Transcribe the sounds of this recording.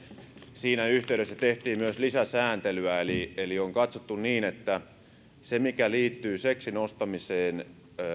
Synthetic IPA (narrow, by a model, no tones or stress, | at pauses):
siːnæyht̪eyɾesːæt̪eht̪iːmmyøslisæsæːnt̪elyæelielioŋkɑt̪sot̪ːunniːnet̪ːæ | semikæliːt̪ːyːseksinost̪ɑmiseːn